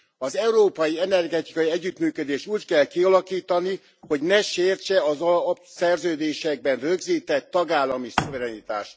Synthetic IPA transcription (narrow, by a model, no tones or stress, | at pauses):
ɒzɛuɾoːpɒjiɛnɛrɡɛt̪i̥kɒjiɛɟːyt̪myːkød̪eːʃt̪uːckɛlkiɒlɒkiːt̪ɒni | ho̞ɟnɛʃeːrt͡ʃɛɒzɒpsɛrzøːd̪eːʃɛɡ̚bɛnrøɡziːt̪ɛt̪ːɒɡaːlːɒmisovɛɾɛnit̪a̰ːʃt̪